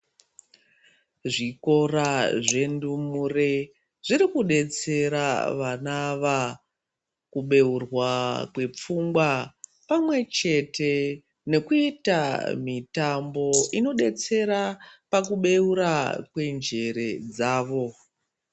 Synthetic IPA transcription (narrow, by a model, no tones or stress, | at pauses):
ʐiko̞raʐe̞ndumure | ʐ̥iɾikuɗe̞t͡se̞ɾaʋanaʋa | kuɓe̞urwakwe̞p͡fuŋɡwapamwe̞t͡ʃe̞te̞ | ne̞kuita̰mitambo̞ino̞ɗe̞t͡se̞ɾapakuɓe̞uɾakwe̞nd͡ʒe̞ɾe̞d͡zaːʋo̞